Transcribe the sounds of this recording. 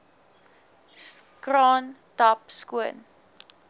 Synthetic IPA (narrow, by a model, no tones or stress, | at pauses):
krɑːntɐpskuən